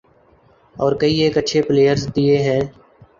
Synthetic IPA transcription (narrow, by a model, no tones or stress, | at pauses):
ɔːɾkəiːeːkəːʃʰeːpleːjəɾzd̪ieːɦɛː